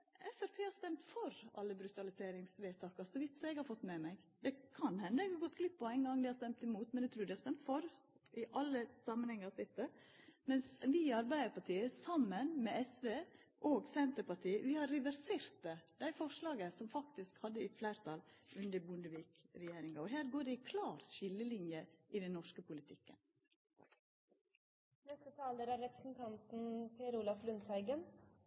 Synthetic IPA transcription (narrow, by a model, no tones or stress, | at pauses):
ɛfæɾpʰeːhɑɾst̪ɛmt̪fɔɾɑ̰lːəbɾʉt̪ɑlɪseːɾɪŋsʋeːt̪ʰɑːkɑsɔʋɪt̪ːsɔɛɡhɑɾfɔt̪ːmɛmæɡ | d̪̥ɛkʰɑnhɛnːəɛɡɑɡɔt̪ːɡlɪpːɔɛɪŋɡɑŋd̪ɪhɑɾst̪ɛmt̪ɪmuːt̪mɛnɛɡ̚t̪ʰɾʉːɖɪhɑɾst̪ɛmt̪fɔɾ | ɪʔɑlːəsɑmənhɛŋːɑsɪt̪ːə | mɛnsʋɪɑɾbæɪd̪əɾpɑʈʰiːəsɑmːənmɛɛsʋeːʔoːɡsɛnt̪əɾpɑʈiːəʋɪhɑɾɾɛʋæɾseːɾt̪̚əd̪̥æɪfɔʂlɑːɡəsɔmfɑkt̪ɪskhɑd̪ːəɪflæɪɾt̪ʰɑlʔʉnd̪əɾbʊnd̪əʋiːkɾɛjeːɾɪŋɑɔɦæːɾɡoːɖɛɪkʰlɑːɾʃɪlːəlɪnjəʔɪd̪ɛnːɔʂkəpʊlɪt̪ʰɪkːə̰n | nɛst̪ət̪ʰɑːləɾæɾɾɛpɾə̥sn̩t̪ʰɑnt̪n̩pʰeɾʊlɑflʉnt̪ʰhæɪɡən